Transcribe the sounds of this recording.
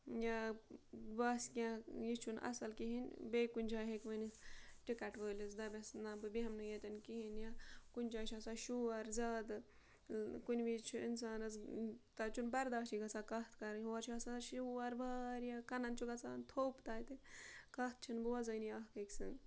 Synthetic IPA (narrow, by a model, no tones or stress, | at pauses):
ja | baskʲãjit͡ʃʰunʔɐ̰sɐlkiɦinʲbeːkunʲd͡ʒʰaːɦekʋəniʈikɐʈʋəːlʲizd̪ɐbʲesnabɨbiɦɐmnɨjet̪ʲɐnkiɦinjakunʲd͡ʒaːt͡ʃʰãsaʃuːɐɾzaːd̪ | kunʲbit͡ʃʰuḭnsaːnɐzt̪ɐt͡ʃʰunbɐɾd̪aːʃiɡɐt͡sakɐht̪ʰkɐɾɦoɐɾt͡ʃʰiasaʃuɐɾbaːɾjakɐnɐnt͡ʃʰuɡɐt͡saːnt̪ʰoːpt̪aːjt̪ekɐht̪̚ʰt͡ʃʰinbɨʋɐzɐːnjaːɦkɐksɨŋ